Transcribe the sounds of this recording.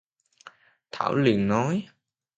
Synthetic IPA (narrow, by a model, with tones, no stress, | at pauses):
t̪ʰaː˧˩wli˨˩əŋnɔ˨˦j